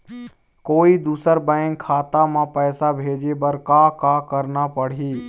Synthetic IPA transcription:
koːid̪uːsəɾbə̃ɪŋkʰːaːt̪amãpɛːsabʱeːd͡ʒebəɾkaːkaːkəɾnapəɽ̤iː

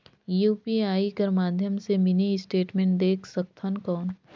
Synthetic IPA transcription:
juːpiaːikɐɾmaːd̪ʱjəmsemɪniɪsʈeːʈmẽːɳʈd̪eːkʰsɐk̚t̪ʰənkɔːn

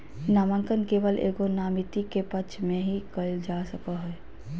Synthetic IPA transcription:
naːmə̃ŋkənkeːʋəlʔḛːkonaːmɪt̪ikepət͡ʃʰmẽɦikəld͡ʒaːsəkaɦɛː

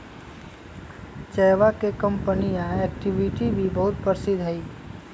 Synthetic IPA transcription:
t͡ʃɛːʋakekɐ̃mpənijãɛːk̚ʈɪʋɪʈibʱibɐɦʊt̪̚pəɾsɪd̪ʱɦɛiː

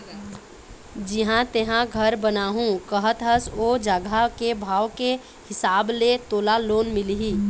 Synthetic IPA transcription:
d͡ʒɪɦãt̪eɦãɡʱəɾbənaːɦũkəɦət̪ɦəsoːd͡ʒaɡʱakebʱaːʋke | hɪsaːblet̪oːlaloːnmɪliɦiː

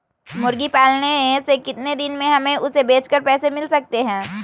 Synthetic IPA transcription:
mʊɾɡipaːlnesekɪt̪ned̪ɪnmẽɦɐmẽʔʊsebeːt͡ʃkəɾpɛːsemɪlsɐk̚t̪eɦɛ̃ː

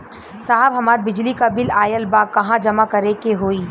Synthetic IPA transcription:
saɦəbɦɐmaːɾbɪd͡ʒlikabɪlaːjəlbaːkːɐɦãd͡ʒɐmakɐɾekeɦoːiː

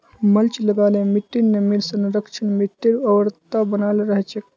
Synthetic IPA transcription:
məlt͡ʃləɡaːlemiʈːinːemiɾsənɾəkʃʰənmiʈːiɾɐʋəɾt̪abənaːlɾəɦt͡ʃʰek

